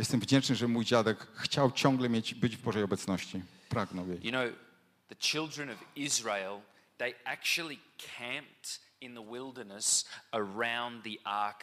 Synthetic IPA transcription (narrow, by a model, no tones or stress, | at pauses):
jɛst̪ɛmvd͡ʑɛnt͡ʂnɨʐɛmujd͡ʑad̪ɛkxt͡ɕawt͡ɕɔ̃ŋɡlɛmʲjed͡ʑbɘd͡ʑvbɔʐɛjɔbɛt̪snɔɕt͡ɕi | pɾaɡnɔwjejjɨnoʊ | ðɨt͡ʃʰɪlˠdɹɨ̃nʌvɪzɹeɪlˠ | ðeɪæk̚t͡ʃul̩ˠikʰæ̃mp̚t | ɨ̃nðəwɪlˠdə˞nəsə˞ãʊ̃nðiʔɑɹk